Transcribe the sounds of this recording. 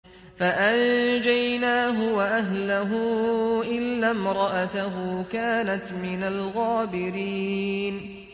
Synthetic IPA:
faʔand͡ʒajnaːɦʊwaʔaɦlaɦʊʔɪlːaːmɾˤɑʔat̪aɦʊːkaːnat̪mɪnalɣaːbɪɾiːn

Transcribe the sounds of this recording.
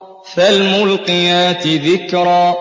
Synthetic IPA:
falmʊlqɨjaːt̪ɪðɪkɾˤaː

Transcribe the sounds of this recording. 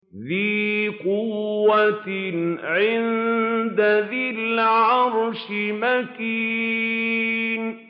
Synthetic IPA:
ðiːqʊːat̪ʕɪnd̪aðɪlʕɑɾʃɪmaki | n

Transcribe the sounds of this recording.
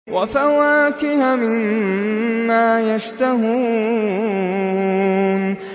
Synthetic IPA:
wafawaːkɪhamɪnː | aːjaʃt̪aɦuː | n

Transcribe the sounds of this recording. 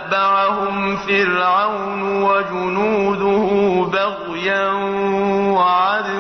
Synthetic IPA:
baʕahʊmfilʕaw | nwad͡ʒʊnuːd̪ʊhʊbaɣ | janwaʕad̪

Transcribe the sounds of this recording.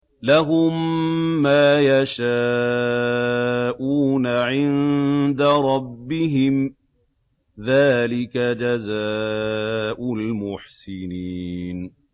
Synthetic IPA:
laɦʊmː | aːjaʃaː | ʔuːnaʕɪnd̪aɾˤɑbːɪɦɪm | ðaːlɪkad͡ʒazaː | ʔʊlmʊħsɪniːn

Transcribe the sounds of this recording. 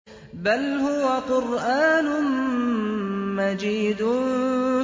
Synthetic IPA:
balhʊwaqʊɾʔaːnʊ | mad͡ʒiːd̪ʊ

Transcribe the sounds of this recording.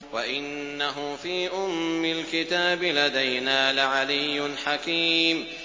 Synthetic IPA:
waʔɪnːaɦʊfiːʔʊmːɪlkɪt̪aːbɪlad̪ajnaːlɪʕalɪjːʊnħakiːm

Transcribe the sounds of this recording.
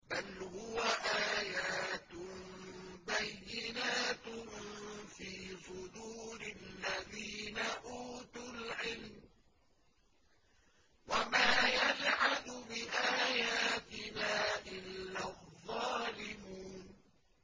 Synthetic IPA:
balhʊwaʔaːjaːt̪mbajːɪnaːt̪ | fiːsʊd̪uːɾɪlːaðiːnaʔuːt̪ʊlʕɪlm | wamaːjad͡ʒʕad̪ʊbɪʔaːjaːt̪ɪnaːʔɪlːaðˤːɑːlɪmuːn

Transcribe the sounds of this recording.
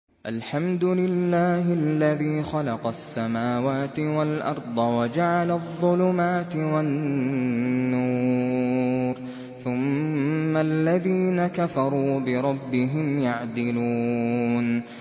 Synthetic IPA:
ʔalħamd̪ʊlɪlːaːhɪlːaðiːxɑlɑqɑsːamaːwaːt̪ɪwalʔɑɾˤd̪ˤɑwad͡ʒaʕalaðˤːʊlʊmaːt̪ɪwanː | uː | ɾ | θʊmː | alːaðiːnakafɑɾˤuːbɪɾˤɑbːɪɦɪmjaʕd̪ɪluːn

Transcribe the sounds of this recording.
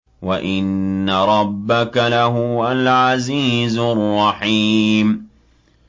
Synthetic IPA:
waʔɪnːaɾˤɑbːakalaɦʊwalʕaziːzʊrˤːɑħim

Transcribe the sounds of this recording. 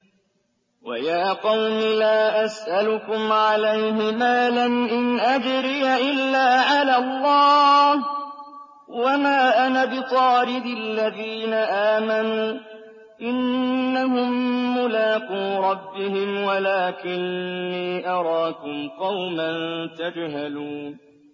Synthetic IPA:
wa̰jaːqɑwmɪlaːʔasʔalʊkʊmʕalajhɪmaːlanʔɪnʔad͡ʒɾɪːaʔɪlːaːʕalalˤːɑːh | wamaːʔanabɪt̪ˤɑːɾɪd̪ɪlːaðiːnaʔaːmanuː | ʔɪnːahʊmːʊlaːquːɾˤɑbːɪhɪmwalaːkɪnːiːʔɑɾˤɑːkʊmqɑwmant̪ad͡ʒɦaluːn

